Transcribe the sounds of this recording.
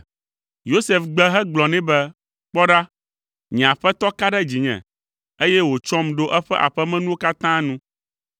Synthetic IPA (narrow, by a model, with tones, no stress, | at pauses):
jo˦se˨fɡ͡bɛ˦ɦɛ˦ɡ͡blɔ˨nɛ̃˦bɛ˦ | k͡pɔ˦ɖa˦ | ɲɛ̃˨a˨ɸɛ˦t̪ɔ˦ka˦ɖɛ˦d͡ʑi˨ɲɛ̰̃˨ | e˦jɛ˦wo˨t͡ʃɔ˦mɖo˦ʔɛ˦ɸɛ˦ʔa̰˨ɸɛ˦mɛ̃˦nũ˦o˦ka˦t̪ã˦nũ˦